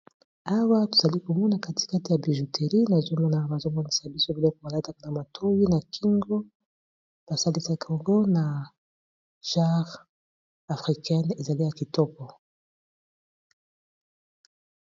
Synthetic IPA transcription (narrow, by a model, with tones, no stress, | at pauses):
a˦wa˦tu˨za˨li˦ku˨mu˦na˨ka˦ti̥˨ka˦ti˨ja˨bi˨ʒu˨tʰe˨ɾi˦na˨zɔ˦mɔ˦na˨ba˨zɔ˦mɔ˨ni˦sa˨bi˦so˦bi˨lɔ˦ko˨ba˨la˦ta˦ka˦na˨ma˨tʰo˦wi˦na˨kʰi˦ŋɡɔ˦ | b̥a˨sa˦li˦sa˦kʰɔ˨ŋɡɔ˦na˨ | ʒ̥a˦ʁ | a˨fʁi˨kɛ˦ne˨za˨li˦ja˨ki˨tɔ˦pɔ˨